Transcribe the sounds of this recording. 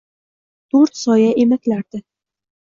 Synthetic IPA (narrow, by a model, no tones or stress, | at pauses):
t̪ʰɵɾt̪sɒjaʔemakʲlaɾd̪̥ɪ